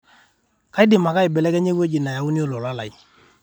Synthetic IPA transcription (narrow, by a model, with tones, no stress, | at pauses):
ka˨˦i˦dɪ˨ma˨ka˦i˨bɛ˨lɛ˦kɛ˦ɲe˦ku˦e˦d͡ʒi˨na˨ja˨u˦ni˦o˦lɔ˨la˦la˨i˨